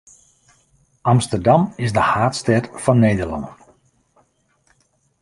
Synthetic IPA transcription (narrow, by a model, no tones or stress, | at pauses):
ɑmstərdɑmɪsdəhaːtstɛrtfɔnːejdərlɑ̰nə